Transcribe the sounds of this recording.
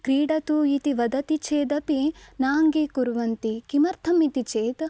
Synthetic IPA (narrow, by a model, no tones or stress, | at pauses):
kɾiːɽɐt̪uit̪iʋɐd̪ɐt̪it͡ʃeːd̪ɐpinaːŋɡikuɾʋɐnt̪ikimɐɾt̪ʰɐmit̪it͡ʃeːd̪